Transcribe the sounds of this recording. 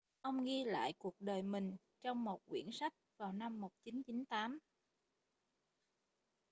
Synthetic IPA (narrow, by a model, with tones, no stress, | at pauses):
ʔə˧wŋ͡mɣi˧la̰ː˧˨jku˨˩ək̚ɗəː˨˩jmï˨˩ŋ̟ | t͡ɕɔ˧wŋ͡mmo˨˩t̚kwḭ˧˩ənsa˦˥jk̟̚vaː˨˩wna˧mːo˨˩t̚t͡ɕi˨˦nt͡ɕi˨˦nt̪aː˨˦m